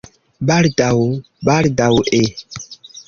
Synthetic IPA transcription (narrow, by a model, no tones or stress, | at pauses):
baldaw | baldawʔe